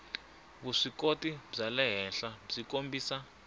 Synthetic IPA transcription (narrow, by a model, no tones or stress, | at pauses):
βuʂikotʼib͡ʐalɛɦɛnɬab͡ʐikʼombʱiːsa